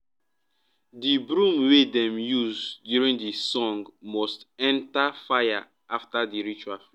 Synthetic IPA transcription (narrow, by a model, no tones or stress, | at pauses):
dibɾũmwedɛ̃mjuzdjuɹĩndisɔ̃ŋɡmɔstɛ̃ntafaja̰ | aftadiɹit͡ʃafli